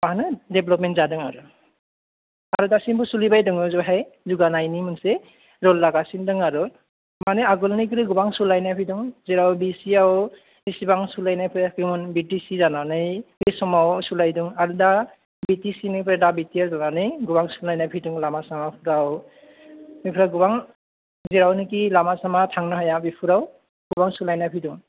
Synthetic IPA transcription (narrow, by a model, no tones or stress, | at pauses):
aɦnɯdɛblɔp̚mɛntzadɯŋaɾu | aɾudasinbusulibajdɯŋɯzɔɦajzuɡanajnimɯnsɛ | zɔlːaɡasindɯŋaɾu | manɛaɡɔlnikɯɾɯɡubaŋsulajnajpʰidɯŋzɛɾawbisiaw | bisibaŋsulajnajpʰɾɛkɯmɯnbitisizananɯjbisɔmawsulajduŋaɾuda | bitisinɯpʰɾɛdabitiazananɯjɡubaŋsulajnajpʰiduŋlamasamapʰuɾaw | bipʰuɾawɡubaŋ | ziɾawnɯk̬ilamasamatʰaŋnaɦajabipʰuɾaw | ɡ̥ubaŋsulajnajpʰiduŋ